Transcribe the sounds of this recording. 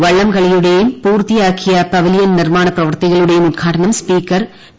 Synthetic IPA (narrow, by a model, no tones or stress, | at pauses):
ʋɐɭːɐmkɐɭɐjuɽejumpuːrt̪ijaːkːijɐpɐʋɐlijɐnnirmaːɳɐprɐʋɐrt̪iɣɐɭuɽe̞jumud̪̚kʰaːʈɐnɐmspiːkːɐr